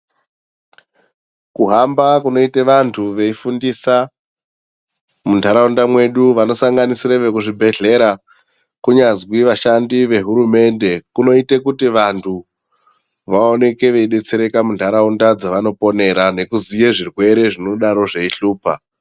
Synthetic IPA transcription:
kuɦambakuno̞iteʋantʰuʋe̞ifundisa | muntʰaɾaundamwe̞ɗuʋano̞saŋɡanisireʋekuʐibʱe̞ɮe̞ɾa | kuɲazwiʋaʃandiʋe̞ɦuɾume̞nde̞kuno̞itekutiʋantʰu | ʋao̞ne̞ke̞ʋe̞iɗe̞t͡se̞ɾe̞kamuntʰaɾaundad͡zaʋano̞po̞ne̞ɾane̞kuzijeʐirwe̞ɾe̞ʐino̞ɗaɾo̞ʐeiɬuːpa̰

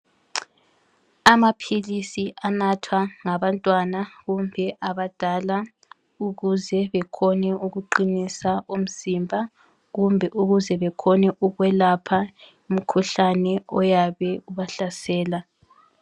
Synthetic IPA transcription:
amapʰilisiʔanatʰwaŋaβantʼwanaɣumbʱɛʔaβad̥ʱala | uɣuzɛβɛkʰɔnɛuɣuǃinisaum̩zimbʱa | ɣumbʱɛʔuɣuzɛβɛkʰɔnɛʔuɣwɛlapʰa | im̩kʰuɬanɛɔjaβɛuβaɬasɛːla

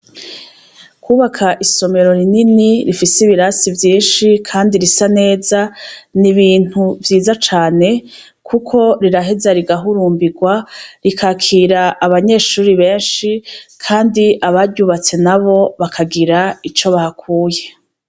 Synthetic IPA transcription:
kuːβakʰaʔiso̞me̞ɾo̞ɾininiɾifisiβiɾasivjiːnʃikʰaːndiɾisane̞ːzaniβiːn̥huvjiːzat͡ʃaːne̞ | kʰukʰo̞ɾiɾaɦezaɾiɡaɦuɾuːmbiɡwaɾikʰakʰiːɾaːβaɲe̞ːʃuːɾiβe̞ːnʃikʰaːndiʔaβaɾɟuβat͡se̞naβo̞βakʰaɡiɾait͡ʃo̞βahakʰuːje̞

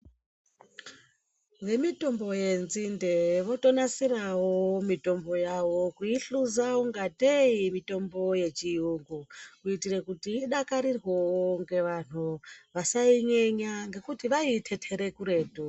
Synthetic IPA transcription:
ʋe̞mito̞mbo̞je̞nzinde̞ʋo̞to̞nasirawomito̞mbo̞jawo̞kuiɬuzauŋɡateimito̞mbo̞je̞t͡ʃijuŋɡukuitirekutiːɗakaɾirwowoŋɡe̞ʋan̥̤uʋasaiɲe̞ɲaŋɡe̞kutiʋaitʰe̞tʰe̞ɾe̞kuɾe̞ːtu

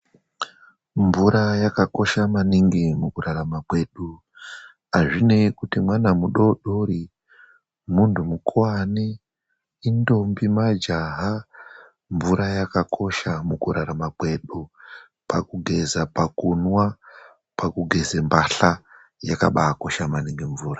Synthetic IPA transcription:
ɱvuɾajakako̞ʃamaniŋɡimukuraɾamakwe̞ɗu | aʐinekutimwanamuɗo̞ɗori | muntumukwaniː | ndo̞mbimad͡ʒaɦa | ɱvuɾajakakʰo̞ʃamukuɾaɾamakwe̞ɗu | pakuɡʱe̞zapakunwa | pakuɡʱe̞zembaɬa | jaka̰ɓaːko̞ʃamaniŋɡiɱvuːra

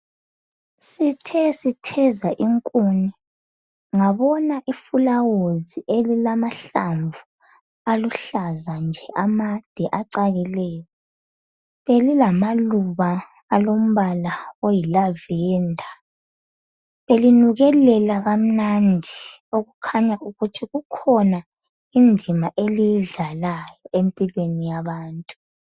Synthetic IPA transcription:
sitʰɛsitʰɛzaʔiŋkʼuni | ŋaβɔnaʔifulawoziʔelilamaɬaɱvu | aluɬazand͡ʒʱɛʔamad̥ʱɛʔaǀaɣɛlɛːjɔ | βelilamaluβaː | lom̩βalaojilavɛːndʱa | βelinuɣɛlɛlaɣam̩nandʱioɣukʰaɲauɣutʰiɣukʰɔna | ind͡zʱimaʔelijɮalajɔempʼilwenijaβaːntʼu

